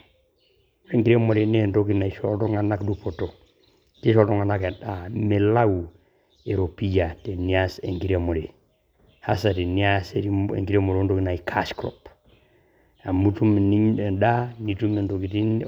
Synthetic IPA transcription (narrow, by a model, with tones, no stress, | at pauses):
e˦ŋɡi˦ɾe˦mo˨ɾe˨ne˦ndo˦ki˦na˨i˨ʃo˦lto˦ŋa˨na˦kdu˨po˨to˨ | ki˦ʃɔ˦ltɔ˦ŋa˨nake˨a˨me˨la˦u˨ | e˨ɾo˨pi˦d͡ʒa˨te˨ni˦a˦sḛ˨ŋɡi˦ɾemo˨ɾe˨ | ha˦sa˨te˨ni˦a˦seiḛ˨ŋɡiɾe˦mo˨ɾo˦ndo˦ki˨na˨i˨kʰa˦sklɔ̰˨p | a˨mu˦tu˦me˨ni˦ɲe˨da˦ni˨tu˦me˨nto˨ki˨ti˦n